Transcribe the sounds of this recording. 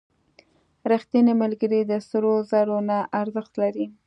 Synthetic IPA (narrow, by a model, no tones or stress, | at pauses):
ɾixt̪anemalɡəɾid̪əsɾozaɾonaʔaɾzəxt̪laɾi